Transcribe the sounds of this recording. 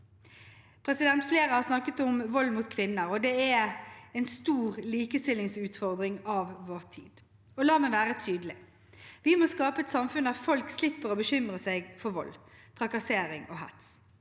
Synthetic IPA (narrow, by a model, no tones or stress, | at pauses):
pʰʁɛsɪd̪ɛnt̪fleːʁəhɑʁsnɑkːət̪ɔmʋɔlːmuːt̪kʰʋɪnːəɾɔd̪ɛæɛnst̪uːʁliːkəst̪ɪlːɪŋsʉːt̪fɔʁd̪ʁɪŋɑʋʋoːʁt̪ʰḭːd̪̥ | ɔlɑːmɛʋæːʁət̪ʰyːd̪əlɪ | ʋɪmoːskɑːpəɛt̪sɑmfʉnd̪æːʁfɔlkslɪpːəʁɔbəɕʏmʁəsɛɡfɔʋɔ̰lːt̪ʰʁɑkɑseːɾɪŋo̰ːɦæ̰t̪s